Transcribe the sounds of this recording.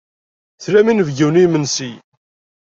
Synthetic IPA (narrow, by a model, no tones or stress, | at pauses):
θlæminəvɡiwnijmənsi